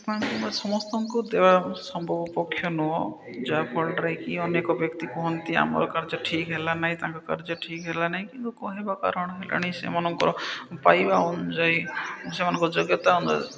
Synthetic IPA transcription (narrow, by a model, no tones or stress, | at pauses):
ɔ̃t̪umasɔmɔst̪ɔŋkud̪ebasɔmbʱɔbɔpɔkʰːjɔnuɔ | d͡ʒapʰɔlʈɾajkiɔnekɔbjɔkt̪ikɔɦɔnt̪ia̰mɔ̰ɾɔkaɾd͡ʒɔʈʰikɦelanaɦĩt̪ãŋkɔka̰ɾd͡ʒɔʈʰikɦelanaɦĩkint̪ukɔɦebaka̰ɾɔɽ̃ɔɦela̰ɽ̃iĩsḛmanɔŋkɔɾɔpajbaund͡ʒɔjsemanɔ̃ŋkɔɔd͡ʒoɡjɔt̪aund͡ʒɔ̰